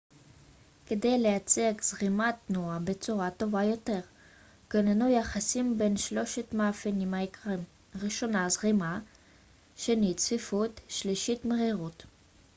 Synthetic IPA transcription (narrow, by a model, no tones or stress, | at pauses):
ked̪e̞jlejat͡seaɡz̥ʁimat̪nuabet͡suʁato̞vajo̞te̞ʁ | kenanujaχasimbe̞nʃlo̞ʃetmaːfenimhaikʁim | ʁiʃo̞nazʁima | ʃenit͡sfifut̪ʃliʃitmeʁiʁut